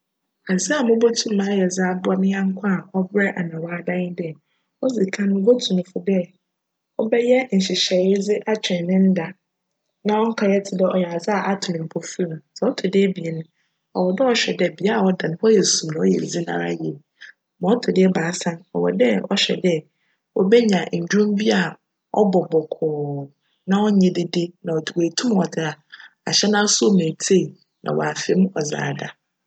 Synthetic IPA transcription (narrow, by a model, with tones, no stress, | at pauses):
a˨d͡zi˦a˨mʊ̃˦bo˦tʰũ˦m˦mãː˨˦jɛ˨d͡zaː˦bʊ˦a˦mɪ̃˦ɲã˦ŋ̩˦kʷʰã˦a˨ʔɔ˦bɾɛ˦ʔa˨nã˨waː˦dã˦nɪ˦d | ɔ˦d͡zi˨kʰã˦nʊ̃˦bo˦tʰũ˨nʊ̃˨fʊ˦dɛ˦ | ɔ˦bɛ˦jɛ˦n̩˨ɕi˨ɕɛ˨ɾɪ˦d͡zɪ˦ʔa˦t͡ɕᶣɛ̃˨nɪ̃˦n̩˦da˨ | nã˦wɔ˦ŋ̩˦kʰa˨jɛ˦tʰɪ˨dɛ˦ɔ˨jɛ˨a˨za˦a˨ʔa˦tʰʊ̃˨nɪ̃˨pʰo˨fu˦ɾa˨sɛ˨˦ɔ˦tʰʊ˨dɪ˦ɛ˦bi˨e˨nʊ̃˦ | ɔ˨wɔ˨dɛ˦ɔ˨ɕᶣɛ˨dɛ˦bi˨˦a˦a˨ɔ˦dã˨nʊ̃˦hɔ˦jɛ˨sũ˨mnã˨ɔ˦jɛ̰˨zi˦nã̰˦˨ɾa̰˦jɛ˨ | mã˨˦ɔ˦tʰʊ˨dɪ˦ɛ˦baː˨˦sã˦nɔ̰˨wɔ˨dɛ˦ɔ̰˦ɕᶣɛ̰˨dɛ˦ | wɔ˦bɛ˦ɲã˨ɲ̩˨d͡ʑᶣũ˦mbi˦a˨ | ɔ̰˦bɔ˨bɔ˨kʰɔː˨ | nã˦ɔ˦ɲɛ̃˨dɪ˦de˦nã˨ɔ˨du˨eː˨tʰũ˦mɔ˨dɪ˨a˨ | a̰˨ɕɛ˦nã˦su˦o˦˨mẽ˨tʰe˦˨ | nʔã̰˨wɔ̰˨a˨fɪ˨˦m˦ɔ˨za̰ː˨da˨